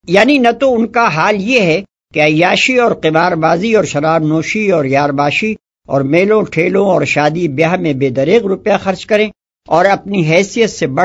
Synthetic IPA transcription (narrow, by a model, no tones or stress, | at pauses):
jaːninɐt̪oʊnkaɦaːljeɦɛ | keɐjːaːʃiɔːɾqɪmaːɾbaːziɔːɾʃɐɾaːbnoːʃiɔːɾjaːɾbaːʃi | ɔ̰ːɾmeːlõʈʰeːlõɔːɾʃaːd̪ibjaːɦmẽbeːd̪ɐɾiːqɾʊpjãxɐɾt͡ʃkɐɾẽ | ɔːɾɐpniɦɛːsijət̪sebɐ